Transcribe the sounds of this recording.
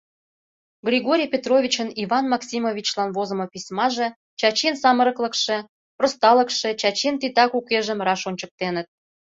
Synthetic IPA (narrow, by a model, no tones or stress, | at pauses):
ɡrʲiɣoɾʲijpʲet̪rovʲit͡ɕəniβɑnmɑksʲimovʲit͡ɕlɑnβozə̆mopʲisʲmɑʒĕ | t͡ɕɑt͡ɕinsɑməɾəklə̆kʃĕ | prost̪ɑlə̆kʃĕt͡ɕɑt͡ɕint̪it̪ɑkukeʒə̆mrɑʃonʲt͡ɕək̚t̪enət̪̚